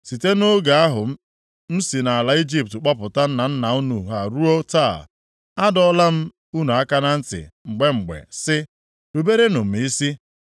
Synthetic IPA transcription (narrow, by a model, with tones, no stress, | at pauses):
si˨te˦nʊ˦ɡa˨a˦ɦʊ˨˦ | m̩˦si˨na˨a˨la˨i˦d͡ʒi˦p̚tk͡pɔ˦pʊ˨ta˦n̩˦na˨n̩˦na˨u˦nu˨ɦa˨ɾu˦o˦ta˦˨l | a˦dɔ˦la˦m̩˦ | u˦nu˨a˦ka˦na˦n̩˦tɪ̰˨ŋ͡m̩˨ɡ͡be˦ŋ͡m̩˨ɡ͡bḛ˨sɪ˦ | ɾu˨be˦ɾe˦nʊ˨m̩˨i˦si˦